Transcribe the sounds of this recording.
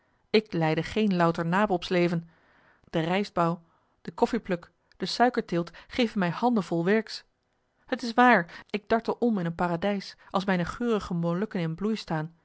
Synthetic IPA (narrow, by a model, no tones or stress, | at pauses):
ɪklɛjdəχejnlʌwtəɹnaːpəlˠɔpslejvən | d̥ərɛjzbɑw | d̥əkɔfiplɵk | d̥əsœɥkəɹtɪːlˠtχejvəmɛjhɑndəvɔlˠʋɛɹks | hətɪs̬ʋaːɹɪɡ̚dɑɹtəʔɔmɪnənpaːradɛjsʔɑlˠsmɛjnəχøːrəχəmolɵkənɪnblujstaːn